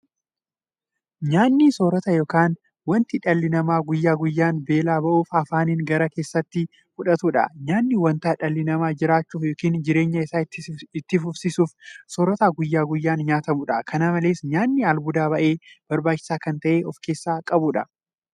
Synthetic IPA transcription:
ɲaːnːisoːɾɐt̪ɐjo̞ːkaːn | wɐnt̪ɪᶑɐlːɪnɐmaːɡʊjːaːɡʊjːaːnbe̞ːlaːbɐʔuːfɐfaːniːŋɡɐɾɐke̞ːsːɐt̪ːɪ | fʊᶑɐt̪uᶑɐ̰ɲaːnːɪwɐnt̪aːᶑɐlːɪnɐmaːd͡ʒɪɾaːt͡ʃːuːfjoːkiːnd͡ʒɪɾe̞ːɲːɐɪsaːɪt̪ːɪfʊfsisuːfsoːɾɔt̪aːɡʊjːaːɡʊjːaːnɲaːt̪ɐmʊᶑɐkʰɐnɐmɐleːsɲaːnːɪɐlbʊd̪aːbɐʔe̞ːb̥ɐɾbaːt͡ʃːɪ̥saːkɐnt̪ɐʔeːʔɔfke̞ːsːaːkʼɐbuᶑɐ

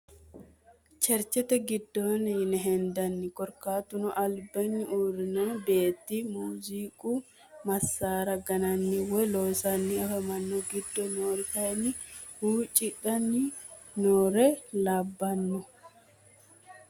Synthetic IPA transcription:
t͡ʃɛɾt͡ʃɛt̪ɛɡɪd̪ːoːnɛnɛɦɛnd̪ɐnːɪkʼɔɾkaːt̪ʊnɔʔɐlbɐnːɪʔuːɾɪnobe̞ːt̪ːimuːziːkʼu | mɐsːaːɾɐɡɐnɐnːɪwɔjloːsɐnːɪɐfɐmɐnːɔɡɪd̪ːɔnoːɾɪt̪ɐjɛnːɪhuːt͡ʃʼɪᶑɐnːɪ | noːɾɛlaːbːɐnːɔ

